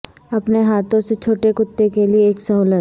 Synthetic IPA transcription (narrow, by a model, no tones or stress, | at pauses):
ɐpneɦaːt̪õset͡ʃʰoːʈekʊt̪ːekelieːksɐɦuːlət̪